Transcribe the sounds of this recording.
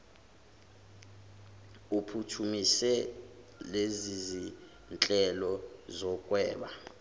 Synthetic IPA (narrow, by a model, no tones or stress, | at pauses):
upʰutʰumisɛ | lezizi | nt͡ɬʼɛlɔzɔkʼwɛːɓa